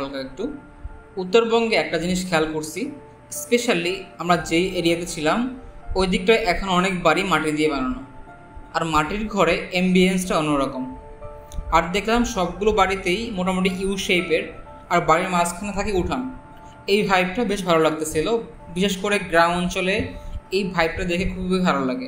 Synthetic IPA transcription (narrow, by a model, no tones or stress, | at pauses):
alkaek̚ʈu | ut̪ːoɾbɔŋɡeɛk̚ʈad͡ʑiniʃkʰɛlkoɾsʰi | speʃaliamɾad͡ʑejeɾiet̪et͡ɕʰilamojd̪ʱik̚ʈajʔɛkʰonɔnek̚baɾimaʈid̪iebanana | aɾmaʈiɾɡʱɔɾeembiensʈaonːoɾɔkom | aɾd̪ekʰlamʃɔb̚ɡulobaɾit̪ejmoʈamoʈ̬iiuʃejpeɾ | aɾbaɾiɾmaskʰanat̪ʰakiuʈʰan | ejbʱajp̚ʈabeʃ̬bʱalolaɡ̚t̪et͡ɕʰilo | biʃeʃkoɾeɡɾawɔnt͡ɕoleejbʱajb̚ʈad̪ekʰekʰubibeibʱalolaɡe